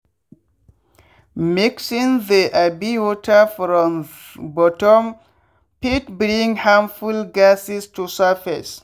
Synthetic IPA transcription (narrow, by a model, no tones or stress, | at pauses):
miksĩŋðiʔabiwɔtʰəfɾɔ̃m | bɔtɔ̃m | pitbɾĩŋhãmfulɡasistusafas